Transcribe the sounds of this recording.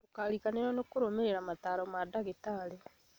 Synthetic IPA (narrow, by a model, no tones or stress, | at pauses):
okalikaneɾwɔnekoɾomeɾeɾamataːɾɔmadaɣetaɾe